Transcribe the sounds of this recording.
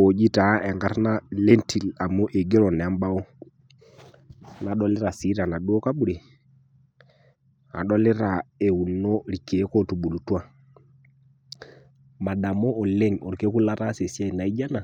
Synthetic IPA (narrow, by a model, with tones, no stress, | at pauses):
o˨d͡ʒi˦ta˨˦ɛ˨ŋɡa˦ɾna˦le˦ntʰi˨la˨mo˦ʔe˨ɡe˦ɾɔ˨nɛ˨a˦mba˦o˦ | na˨ɗɔ˦lɪ˦ɾa˨si˨˦ɾa˨na˨ɗo˦ɔ˦ka˦ɓu˦ɾe˨ | a̰˨ɗɔ˦le˦ɾa˨e˨u˨nɔ˦ɾi˨ke˨˦kɔ˦tu˨ɓu˨lu˨twa˦ | ma˨ɗa˨mɔː˦˨le˦ŋɔ˨ɾke˦ku˦la˦ɾa˦se˨sja˦i˨na˨i˦d͡ʒa˦na˨